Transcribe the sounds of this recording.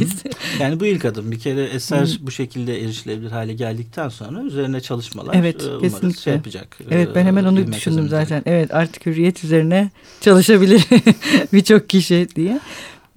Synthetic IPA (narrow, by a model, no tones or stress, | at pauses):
z̥jaːnibuilʲkad̪ɯmbicʰeɾɛɛsæɾbuʃe̞cʰilʲd̪ɛeɾiʃlʲebilʲiɾɦaːlʲɛɟælʲd̪ic̚t̪ʰænso̞̰nɾayze̞ɾinɛt͡ʃʰalˠɯʃma̰lˠaevɛt̪cʰe̞sinlʲicʲaɛpɯd͡ʒa̰kevɛt̪̚bænhemæno̞nud̪yʃynd̪ymzaːt̪ʰænʔɛvɛt̪ʰaɾt̪ʰi̥cʰyɾijɛt̪ʰyze̞ɾinɛ | t͡ʃʰalˠɯʃabilʲiɾbit͡ʃʰo̞k̚ciʃid̪ijɛ